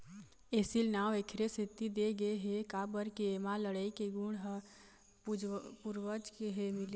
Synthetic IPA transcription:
eːsilnawekʰɾesɪt̪ːid̪eɡəeɦekabəɾkeemaləɽaikeɡuɽɦ | puɾwəd͡ʒkeɦemɪl

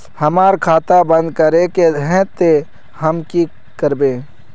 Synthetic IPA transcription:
hɐmaːɾkʰaːt̪abɐ̃nd̪̚kɐɾekeɦɛ̃t̪e | ɦɐmki | kəɾbẽː

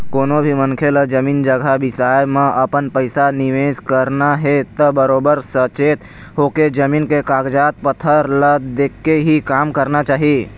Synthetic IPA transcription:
koːnobʱiməŋkʰeləd͡ʒəmiːnd͡ʒəɡʱabɪsaːjmẽɐpənpəɪsanɪʋeːskəɾnaɦet̪əbəɾoːbəɾsət͡ʃeːt̪ | ɦoːked͡ʒəmiːnkekaːɡd͡ʒaːt̪̚pət̪ʰəɾləd̪eːkːeɦikaːmkəɾnat͡ʃaːɦi

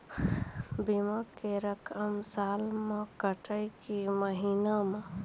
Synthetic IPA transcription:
bimakeɾəkʰəmsaːlmẽkəʈəjkiməɦiːname

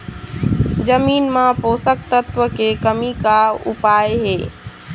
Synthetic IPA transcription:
d͡ʒəmiːnmãpoːsək̚t̪ət̪ʋəkekəmikaʊ̰paːjɦeː

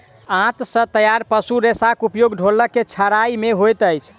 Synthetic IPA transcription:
ãt̪sə̃t̪əjaɾpəsuɾesakupjoɡɖʱoləkːet͡ʃʰəɾaimeɦojt̪əjt͡ʃʰ

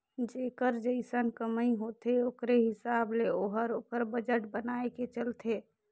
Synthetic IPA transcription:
d͡ʒekəɾd͡ʒəɪsənkəməiɦot̪eokɾeɦɪsableoɦəɾoːkəɾbəd͡ʒəʈbənaeket͡ʃəlt̪ʰe

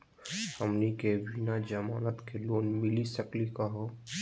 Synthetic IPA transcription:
həmnikebʱinad͡ʒəmaːnət̪keloːnmɪlisəklikaɦoː

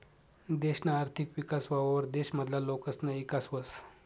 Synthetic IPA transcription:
d̪eɕnaaɾt̪ʰikʋikasʋaʋaʋəɾd̪eɕməd̪ʱlalokəsnəekasʋəs

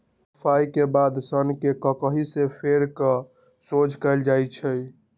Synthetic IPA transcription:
əpʰaikebad̪sənkekəkəɦisepʰeɾkə | sod͡ʒʱkɛɪld͡ʒajt͡ʃʰəj

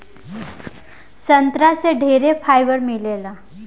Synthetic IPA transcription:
sənt̪ɾaseɖʱeɾefajʋəɾmilela

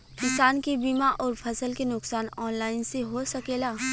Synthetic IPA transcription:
kɪsaːnkibiːmaʔɔːɾfʰɐsəlkenʊksaːnɔːnlaːɪnseɦosɐkeːlaː

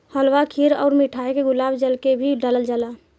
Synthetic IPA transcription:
həlʋakʰiɾɔ̰ʊɾmiʈʰajkeɡʊlabd͡ʒəlkebʱiɖaləld͡ʒala

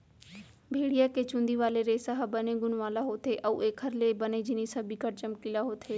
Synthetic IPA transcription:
bʱeːɽijaːkeːt͡ʃʊ̃nd̪iːʋaːleɾeːsaɦbənẽːɡʊnʋaːlaɦoːt̪ʰeːʔəuʔeːkʰəɾleːbəneːd͡ʒɪnisɐbikəɾt͡ʃəmkilaːɦoːt̪ʰeː

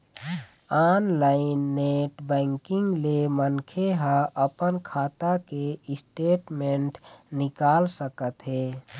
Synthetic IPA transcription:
aːnlaːɪnːeːʈbɛ̃ːŋkɪ̃ŋɡlemənkʰeɦə̃ʔəpənkʰaːt̪akeɪsʈeːʈmẽɳʈnɪkaːlsəkət̪ɦeː

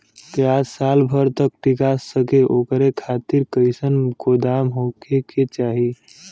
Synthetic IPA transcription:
t̪easalbʱəɾt̪ək̚ʈikasːəkeʔokɾekʰat̪iɾkəɪsənkod̪amɦokeket͡ʃaɦi

